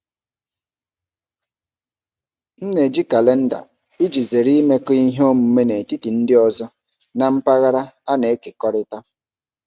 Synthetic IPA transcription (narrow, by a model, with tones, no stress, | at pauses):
n̩˦ne˨d͡ʒi˦ka˨le˦n̩˦da̰˨ | i˦d͡ʒi˨ze˨ɾi˦me˦ki˦ɦo˦mu˨˦me˦ne˨ti˦ti˨n̩˦dɪ˦ɔ˨zɔ˦ | na˨m̩˦pa˦ɣa˦ɾa˦a˦ne˨e˦ke˨kɔ˦ɾɪ˦ta˦